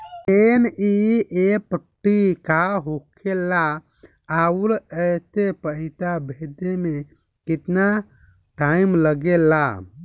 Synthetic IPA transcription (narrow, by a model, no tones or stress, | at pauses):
eniepəʈːikaɦokʰelːa | aulət̪epəɦit̪abʱed̪eme | kit̪na | ʈaimləɡela̰